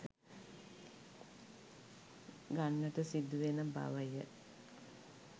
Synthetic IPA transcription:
ɡanːəʈəsid̪ːuʋenəba̰ʋəjə

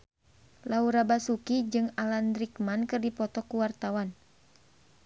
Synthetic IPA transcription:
lauɾabasukid͡ʒɨŋaland̪ɾikmankɨrdipɔt̪ɔkuwart̪awan

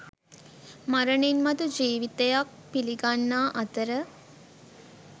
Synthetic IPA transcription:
maɾəɳinmɐd̪ud͡ʒiːʋit̪ejak̚piliɡanːaːʔɐt̪əɾə

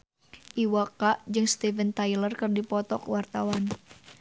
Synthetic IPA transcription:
ʔiwakaʔd͡ʒɨŋst̪ivənt̪ailərkɨrdipɔt̪ɔkwart̪awan

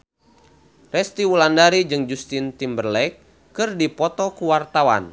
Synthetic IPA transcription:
rɛst̪iwulandaɾid͡ʒɨŋd͡ʒust̪int̪imbərlɛkː | ɨrdipɔt̪ɔkuwart̪awa̰n

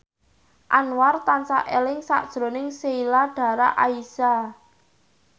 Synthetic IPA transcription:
ʔanwart̪ansa̰ʔelɪŋsa̰ʔd̥ʒ̥ɾo̤nɪŋseilaɖ̥ä̤ɾa̰ʔaisa

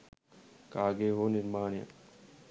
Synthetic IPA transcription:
kaːɡeːɦoːnɪɾmaːɳjã̰

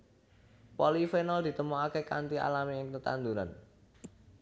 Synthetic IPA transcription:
pɔlifenald̪̥i̤t̪əmuakekant̪ia̰lamiɪŋt̪ət̪a̰nd̪uɾa̰n

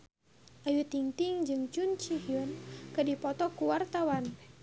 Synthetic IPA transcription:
ʔajut̪iŋt̪iŋd͡ʒɨŋt͡ʃunt͡ʃiɦjunkɨdipɔt̪ɔkuwart̪awan

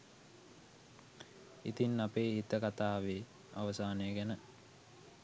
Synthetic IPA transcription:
it̪inːapeːit̪ːəkat̪aːʋeː | a̰ʋəsaːnəjəɡænə

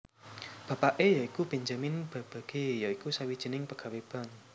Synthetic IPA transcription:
b̥ä̤paʔejaikubɛɲd͡ʒamɪnb̥a̤b̥ä̤ɡ̥ejaikusawid̥ʒ̥i̤nɪŋpəɡ̥a̤web̥a̤n

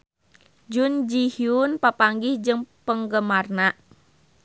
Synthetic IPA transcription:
d͡ʒund͡ʒihiunpapaŋɡihd͡ʒɨŋpəŋɡəmarnaʔ

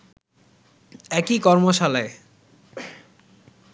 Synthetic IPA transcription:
ɛkikɔɾmoʃalae

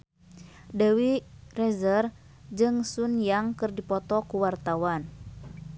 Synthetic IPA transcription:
dawirɛzər | d͡ʒɨŋsunjaŋkɨrdipɔt̪ɔkuwart̪awan

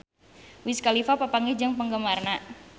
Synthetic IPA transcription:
wiskalifapapaŋed͡ʒəŋpəŋɡəmarna

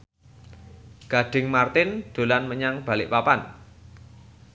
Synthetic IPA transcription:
ɡ̥a̤ɖ̥ɪ̤ŋmart̪ɪnd̪̥o̤lanməɲaŋb̥a̤lɪ̰ʔpapan

